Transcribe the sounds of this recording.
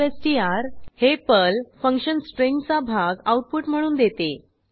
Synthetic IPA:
esʈiaɾhepəlfəŋkʂənsʈɾeŋkt͡sabʱaɡawʈ̚puʈm̤əɽ̃uːnd̪et̪e

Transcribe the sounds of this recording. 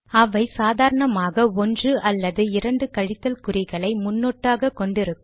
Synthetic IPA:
ɐʋɐɪsaːðaːɾɐɳɐmaːɣɐɔndrɯʔɐlːɐðɯɪɾɐɳɖɯkɐɻɪt̪ːɐlkʊɾɪɣɐɭɐɪmʊnːoːʈːaːɣɐkɔɳɖɪɾɯkː

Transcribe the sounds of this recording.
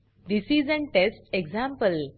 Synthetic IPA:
d̪isizɛ̃nʈesʈeɡzãmpəl

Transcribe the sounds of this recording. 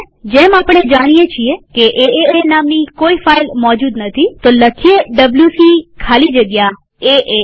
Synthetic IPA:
d͡ʒemapəɽ̃ed͡ʒaɽ̃ijet͡ʃʰiekeʔeeenamnikoifailmɔd͡ʒud̪nət̪ʰit̪oləkʰieɖəbljusikʰalid͡ʒəɡja | eʔe

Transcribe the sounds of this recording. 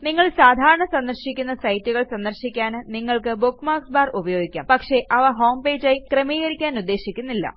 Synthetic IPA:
niŋːɐɭsaːd̪ʱaːɾɐɳɐsɐnd̪ɐrɕikʲːun̪ːɐsɐjtːuɣɐɭsɐnd̪ɐrɕikʲːaːnniŋːɐɭkɨbukmaːksbaːrubɐjo̞ːɡikʲːaːmpɐkʂe̞ʔɐʋɐɦo̞ːmpe̞ːd͡ʑajkrɐmijɐɾikʲːaːnud̪ːe̞ːɕikʲːunːilːɐ̰

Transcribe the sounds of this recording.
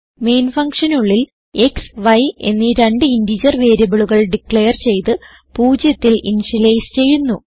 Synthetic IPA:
me̞ːnfɐŋkʂɐnuɭːil | e̞ksʋɐje̞̰nːiɾe̞ɳɖɨindid͡ʑɐrʋe̞ːɾɐbiɭuɣɐɭɖikɭejɐrt͡ɕe̞jt̪ɨ | puːd͡ʑjɐt̪ːilḭnʂilejst͡ɕe̞jːunːu

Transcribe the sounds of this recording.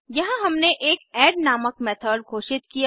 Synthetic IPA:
jɐɦãɦɐmneʔeːkɛːɖnaːməkmɛːt̪ʰəːɖɡʱoːʃɪt̪kija

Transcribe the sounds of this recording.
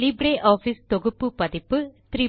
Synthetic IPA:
libɾeːʔaːfiːst̪ɔɣɯpːɯpɐðɪpːɯt̪ɾiː

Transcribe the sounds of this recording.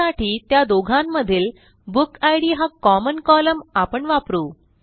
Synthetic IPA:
aʈʰiːt̪jad̪oɡʱãmːəd̪ʱiːl | bukajɽiːɦakɔmənkɔləmapəɳʋapɾuː

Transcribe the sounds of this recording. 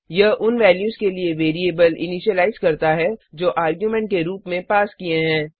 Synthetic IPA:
jɐɦʔʊnʋɛːljuːzkelieʋeːɾieːbəlɪ̰niːʃəlaːɪzkɐɾt̪aɦɛd͡ʒoːʔaːɾɡjumɛ̃ɳʈ̚keɾuːpmẽpaːskieɦɛ̃ː

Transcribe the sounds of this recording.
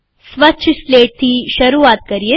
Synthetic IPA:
sʋɐʃʰsleːʈ̚t̪ʰiʃɐɾuːʋaːt̪̚kɐɾije

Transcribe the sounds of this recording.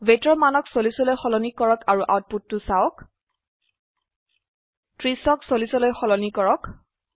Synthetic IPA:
betɹɔmanɔksolisɔlojxɔlɔnikɔɹɔkʰaɹuʔawt̚putːʊsaɔk | tɹisɔksolisɔlojxɔlɔnikɔɹɔk

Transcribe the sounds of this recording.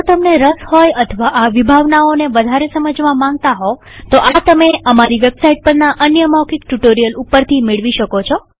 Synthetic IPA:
d͡ʒot̪əmneɾəshɔjət̪ʰəʋaʔaʋibʱaʋnaoneʋəd̪ʱaɾesəməd͡ʒʋãmãŋɡ̚t̪aɦo | t̪oʔat̪əmeəmaɾiʋebsaiʈ̚pəɾnaʔənjəmakikʈuʈoɾijəlupːəɾt̪ʰimeɭʋiʃəkot͡ʃʰɔ

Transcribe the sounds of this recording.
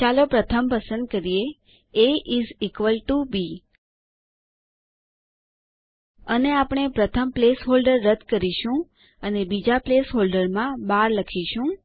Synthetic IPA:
t͡ʃalopɾət̪ʰəmpəsənd̪̚kəɾije | eʔizikʋəlʈubi | əneapɳ̃epɾət̪ʰəmplesɦolɖəɾːəd̪kəɾiʃũ | ənebid͡ʒaplesɦolɖəɾmãbaɾləkʰiʃũ

